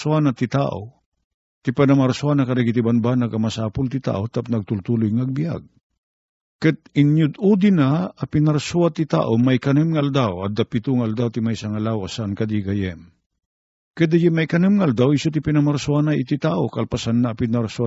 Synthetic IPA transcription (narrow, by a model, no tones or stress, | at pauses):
suanat̪it̪a̰ʔo̰ | t̪ipanamaɾsuanakaɾɛɡit̪ibanbanaɡamasaːpʊlt̪ɪt̪a̰ʔot̪ap̚nɐɡ̚t̪ʊlt̪ulʊjŋaɡ̚bija̰ɡ̚ | kɨt̪̚ɪnjʊd̪ud̪ɪnaapinaɾsuat̪it̪a̰ːʔomajkɐnɨmŋaald̪awa̰d̪apit̪ʊŋaald̪awt̪imajsaŋalawasankad̪iɡajɛm | kɨd̪ajɛmajkɐnɨmŋaald̪awisot̪ipinamaɾsuanaʔit̪it̪aʔokalpasanːaːpɪnaɾsua